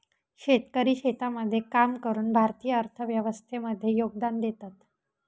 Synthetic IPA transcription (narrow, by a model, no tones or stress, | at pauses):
ɕet̪kəɾiːɕet̪aməd̪ʱːjekamkəɾuːnbʱaɾt̪iːjəəɾt̪ʰəʋjəʋəst̪ʰeməd̪ʱːjejoɡ̚d̪and̪et̪at̪